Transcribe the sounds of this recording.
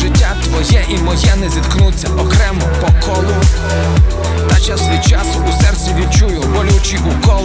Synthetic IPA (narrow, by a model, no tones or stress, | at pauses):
ʐɪt͡ɕʲːat̪vɔjɛʔimɔjɛnɛzʲit̪knut͡sʲːaʔɔkɾɛmɔpɔkʰɔlˠu | t̪at͡ɕasvɔjt͡ʃasusɛɾt̪sʲɛvʲit͡ʃujʊbɔlʲuwt͡ɕiʔukɔ